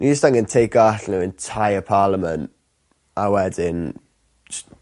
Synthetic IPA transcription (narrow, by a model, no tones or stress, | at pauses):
nʔid͡ʒəstaŋɡəntʰejk̚aɬnɪwɛntʰajəpʰaːlˠəmə̃nt | awɛdɪn